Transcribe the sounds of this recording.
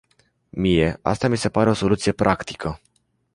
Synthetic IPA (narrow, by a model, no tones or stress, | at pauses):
mije̞a̰st̪amise̞paɾe̞o̞so̞lut̪sije̞pɾʔakt̪i̥kʰə